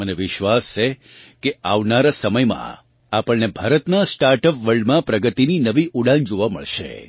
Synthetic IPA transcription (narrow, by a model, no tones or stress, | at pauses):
məneʋɪʃʋast͡ʃʰe | keaʋnaɾasəməjmã̰ | apəɭnebʱaɾət̪nasʈaɾʈəpʋəɭɖmãpɾəɡət̪ininəʋiʔuɽãnd͡ʒoʋamə̰ɭʃḛ